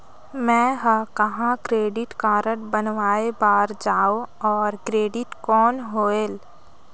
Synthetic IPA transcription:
mɛ̃ːɦəkɐɦãkɾeːɖɪʈkaːɾəʈbənʋaːebaːɾd͡ʒaːoɔːɾkɾeːɖɪʈkɔːnɦoːeːl

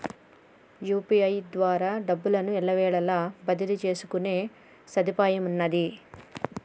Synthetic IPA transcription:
juːpiɐjd̪ʋaːɾaːɖɐbːulɐnuɛɭːɐʋɛːɭɐlaːbɐd̪ilut͡ʃe̞ːsukune̞ː | sɐd̪ipaːjɐmunːɐd̪i

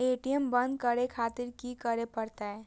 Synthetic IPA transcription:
eʈiembənd̪kəɾekʰat̪iɾkikəɾepəɾt̪aɛ

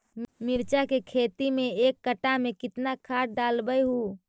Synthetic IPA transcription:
miɾt͡ʃakekʰet̪imeekːəʈːamekɪt̪nakʰaʈ̚ɖalbəjɦu

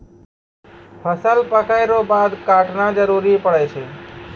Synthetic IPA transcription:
pʰəsəlpəkaɪɾobad̪kaʈnad͡ʒəɾuɾipəɽɛt͡ʃʰɛ

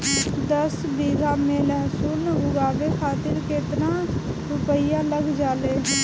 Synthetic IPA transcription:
d̪əs | biːɡaːmẽlɛːɦsuːnɦʊɡaːʋekʰaːt̪ɪɾket̪na | ɾʊpəjaləɡd͡ʒaːleː

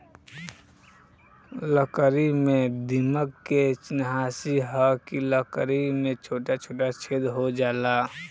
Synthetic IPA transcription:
ləkəɾimẽd̪iməkkːet͡ʃɪnɦaːsiɦəkiləkəɾimẽt͡ʃʰoːʈat͡ʃʰoːʈat͡ʃʰed̪ɦod͡ʒaːlaː

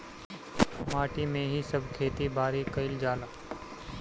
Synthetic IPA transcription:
maːʈimẽɦisɐb̚ʱkʰeːt̪ibʱaːɾikɐɪld͡ʒaːlaː

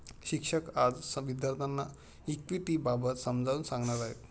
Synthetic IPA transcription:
ɕikʂəkad͡zsəʋid̪jaɾt̪ʰanːa | ikʋiʈibabət̪səmd͡zʱauːnsãŋɡɳaɾaɦḛ

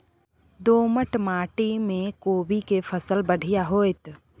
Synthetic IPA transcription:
d̪oːməʈmaːʈimẽkoːbikepʰəsəlbəɽ̤ʱijaɦoːɪt̪

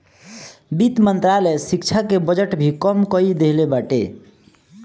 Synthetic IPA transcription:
bit̪mənt̪ɾalesikt͡ʃʰakebəd͡ʒəʈbʱikəmkəid̪eɦlebaʈḛ

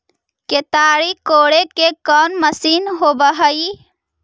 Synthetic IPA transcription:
ket̪aːɾikoːɽekekɔːnməsiːnɦobəɦəi

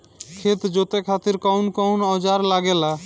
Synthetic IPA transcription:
kʰet̪d͡ʑot̪ekʰat̪iɾkɔwnkɔwnɔd͡ʑaɾlaɡela

